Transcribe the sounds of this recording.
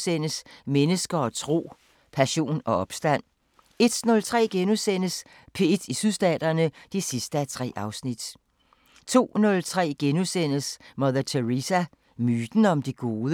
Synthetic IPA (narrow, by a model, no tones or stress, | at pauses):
sen̰əsmenəsɡ̥ɐɒ̽t͡sʰʁo̝̰ː | pʰæɕo̝̰ːnɒ̽ɒ̽b̥sd̥æn̰ | e̝d̥nɔ̽lt͡sʰʁɛ̰ːɡ̥enusen̰əs | pʰe̝d̥isyðˠsd̥ɛ̰ːd̥ɐnəd̥isisd̥əæt͡sʰʁɛ̰ːʔɑ̈ʊsnid̥ | t͡sʰo̝̰ːnɔ̽lt͡sʰʁɛ̰ːɡ̥enusen̰əsmɒðˠɐt͡sʰeʁisæ | myːd̥n̩ɒ̽md̥iɡ̥o̝ːðˠ